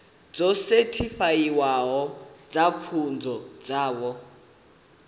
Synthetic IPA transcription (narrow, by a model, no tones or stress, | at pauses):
d͡zɔsɛtʰifajiwaɦɔd͡zakʰund͡zʱɔd͡zaːwɔ